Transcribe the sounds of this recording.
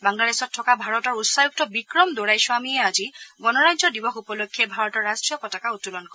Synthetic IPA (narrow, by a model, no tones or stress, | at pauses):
baŋladesɔtʰːɔkabʱaɹɔtɔɹutsajuk̚tɔbikɹɔmdoɹajsuamiɛazibɔnɔɹajd͡ʒɔdibɔxupɔlokʰːiɛbʱaɹɔtɔɹːastɹijɔkɔtakautːulɔnkɔ